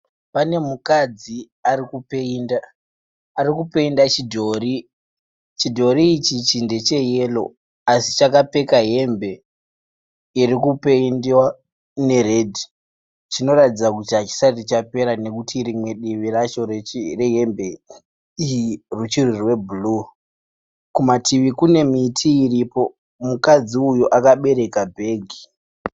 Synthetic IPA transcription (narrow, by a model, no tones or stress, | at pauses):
pane̞mukad͡zi | aɾikupeindaː | ɾikupe̞indat͡ʃidʱori | t͡ʃidʱo̞ɾiːt͡ʃit͡ʃinde̞t͡ʃe̞je̞lo̞̰ | asi̥t͡ʃakape̞kaɦe̞mbe̞ | irikupe̞indiwa | ne̞re̞dʱi | t͡ʃino̞ɾatid͡zakutiɦat͡ʃi̥sarit͡ʃape̞ɾane̞kutʰiɾimwe̞ɗiʋiɾat͡ʃo̞rereɦe̞mbe̞ | ijirut͡ʃirirwe̞bulu | kumatiʋikune̞mitʰiːripo̞ | mukad͡ziujoʔakaɓe̞ɾe̞kabʱe̞ːɡʱi